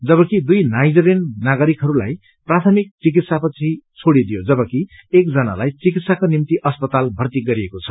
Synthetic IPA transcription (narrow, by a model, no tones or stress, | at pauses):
d͡zʌβʌkid̪ujnajd͡zɾennaɡʌɾikɦʌɾula̰j | prat̪ʰʌmik̚t͡sik̬it̪sapʌt͡sʰit͡sʰoɽid̪ijod͡zʌbʌki | ekd͡zʌna̰lajt͡sik̬it̪sakonimt̪iʔʌspʌt̪albʱʌrt̪iɡʌɾiekot͡sʰʌ̥